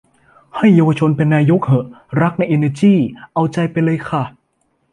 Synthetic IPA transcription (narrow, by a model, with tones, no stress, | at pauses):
ha˥˩jːaː˧wa˧t͡ɕʰo˧npe˧nːaː˧jo˦˥k̚hɤ˨˩ʔ | ɾa˦˥k̚na˧jʔe˧neː˧t͡ɕiː˥˩ʔa˧wt͡ɕa˧jpa˧jlɤː˧jkʰa˧˥˩